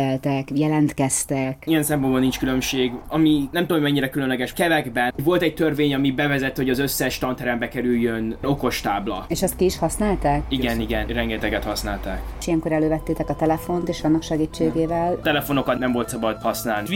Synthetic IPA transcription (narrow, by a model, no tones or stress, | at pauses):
ɛlt̪ɛkjɛlɛnt̪kɛst̪ɛkijɛnsɛmponbɔnːint͡ʃkylø̞mʃeːɡɒminɛmt̪omojmɛɲːiɾɛkylønlɛɡɛʃkɛvɛɡbɛnɟvo̞lt̪ɛc̚t̪ørveːɲɒmibɛvɛzɛt̪ːihoɟɒzø̞sːɛʃt̪ɒnt̪ɛɾɛmbɛkɛɾyjjːøno̞ko̞ʃt̪aːblɒ̰eːʃɛst̪̚kiiʃhɒsnaːlt̪aːkiɡɛniɡɛnrɛŋɡɛt̪ɛɡɛt̪hɒsnaːlt̪aːkʃijɛŋkoɾɛløːvɛt̪ːeːt̪ɛkɒt̪ɛlɛfo̞nt̪eːʃɒnːɒkʃɛɡiːt͡ʃːeːɡeːvɛlt̪ɛlɛfo̞no̞kɒt̪nɛmvo̞lt̪sɒbɒd̪hɒsnaːlni